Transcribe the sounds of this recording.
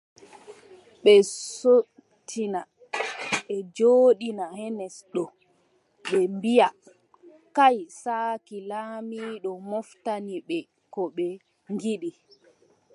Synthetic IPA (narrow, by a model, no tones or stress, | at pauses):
ɓɛso | tʰːina | ɓɛd͡ʒoːɗinahɛnɛsɗɔ | ɓɛmbija | kajsaːkilaːmiɗɔmɔftaniɓɛ | kɔɓɛ | ŋɡiɗi